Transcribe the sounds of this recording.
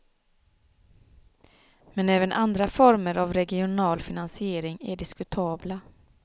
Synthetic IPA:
mɛnɛːvənʔand̪ɾafɔɾməɾʔavɾɛɡɪʊnɑːlfɪnansɪeːɾɪŋæɖɪskɵt̪ʰɑːbla

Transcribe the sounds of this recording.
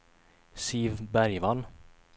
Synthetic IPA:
siːvbæɾjvan

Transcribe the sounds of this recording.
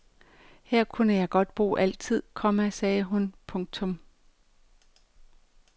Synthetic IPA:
heɐ̰kʰunəjɑ̈ɪɡ̥ɒ̽d̥b̥ʁo̝̰ːʔæl̰t͡sʰið̞̰ˠkʰɒ̽mæsɛːɦunpʰɔ̽ŋt͡sʰɔ̽m

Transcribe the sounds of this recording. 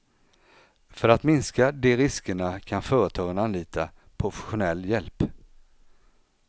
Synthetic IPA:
fœɾat̪mɪnskad̪ɛɾɪskəɳakʰanfœːɾət̪ʰɑːɡənanliːt̪ʰa | pʰɾʊfɛ̥ɧʊnɛlːjɛlp

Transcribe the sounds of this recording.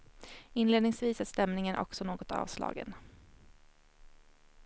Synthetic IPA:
ɪnleːd̪nɪŋsviːsæst̪ɛmnɪŋənʔɔ̰ksɔnoːɡɔt̪ɑ̰ːvslɑ̰ːɡə̰n

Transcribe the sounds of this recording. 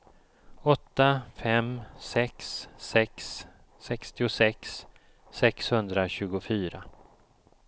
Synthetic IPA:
ɔt̪ːafɛmsɛksːɛksː | ɛkst̪ɪʊsɛks | sɛkshɵnd̪ɾaɕʉ̟ːɡʊfyːɾa̰

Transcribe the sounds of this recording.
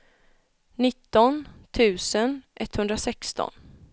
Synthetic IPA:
nɪt̪ːɔnt̪ʰʉ̟ːsənʔɛt̪ːhɵnd̪ɾasɛkst̪ɔ̰n

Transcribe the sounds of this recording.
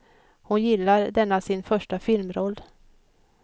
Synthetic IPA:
hʊnjɪlːaɾd̪ɛnːasɪnfœʂʈafɪlmɾɔlː

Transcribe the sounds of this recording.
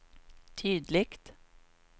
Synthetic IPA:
t̪ʰyːd̪lɪkt̪

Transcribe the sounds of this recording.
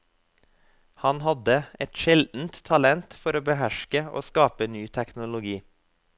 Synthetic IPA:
hɑnhɑd̪əɛt̪ʃɛld̪n̩t̪t̪ʰɑlɛnt̪fɔɾoːbəhæʃkəʔo̰ːskɑːpənyːt̪ʰɛknʊlʊɡiː

